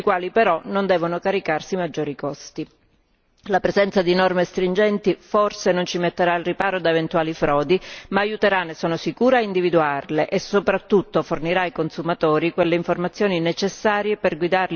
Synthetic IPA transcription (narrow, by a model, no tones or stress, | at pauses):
ikwaːlipeɾɔnond̪ɛːvonokaɾikarsimad͡ʒːoːɾikɔst̪i | lapɾezɛnt̪sad̪inɔrmest̪ɾind͡ʒɛnt̪iforsenont͡ʃimet̪ːeɾailripaːɾod̪aevent̪uaːlifɾɔːd̪imaːjut̪eɾanːesːoːnosikuːɾeaind̪ivid̪uarleʔesːopɾat̪ːut̪ːoforniɾaikonsumat̪oːɾikwelːeiɱformat̪sːjoːninet͡ʃesːaːɾjeperɡwid̪arl